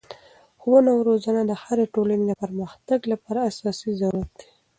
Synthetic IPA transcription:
xwonawɾozanad̪əhaɾeʈolaned̪əpəɾməxt̪aɡlapɑɾaːsɑsizaɾuɾat̪̚d̪i̥

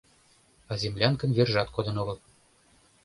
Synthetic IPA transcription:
ɑzʲemlʲɑnkə̆nverʒɑt̪kod̪ɤ̆noɣɤ̆lˠ

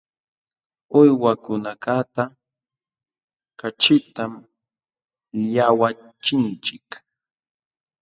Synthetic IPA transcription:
ʊjwakʊnakat̪a | kat͡ʃɪt̪am | ʎawa | t͡ʃɪnt͡ʃɪk

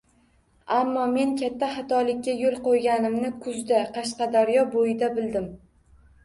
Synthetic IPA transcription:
amːɒme̞nkʲʰat̪ʰːaχɑt̪ʰɒlɪkʲʰːajolˠqojɡʲanɪmnɪkʰʊzd̪aqʰɑʃqɑd̪aɾjɒbojɪd̪abɪld̪ɪm

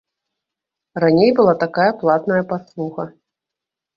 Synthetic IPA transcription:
ranʲejbɨlˠat̪akajɐplˠat̪nɐjɐpaslˠuxɐ

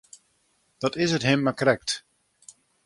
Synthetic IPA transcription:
d̥ɔtɪsətɦɪmːakrɛk̚t

